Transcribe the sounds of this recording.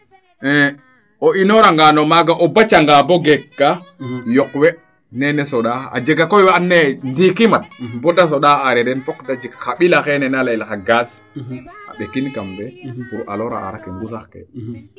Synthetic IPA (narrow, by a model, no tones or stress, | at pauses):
ʔɛ | ɔinɔɾaŋɡanɔmaɡaʔɔbat͡ʃaŋɡabɔɡɛkːajɔkwɛ | nɛnɛsɔɗaa̰d͡ʒɛɡakɔjwaanːɛndikimat̚bɔdas̬ɔɗaaɾɛɾɛnfɔkdad͡ʒikxaɓilaxɛnɛnalajlakaɡas | a̰ɓɛkinkambɛpuɾʔa̰lɔɾa̰ʔa̰ɾakɛŋɡusaxkɛ̰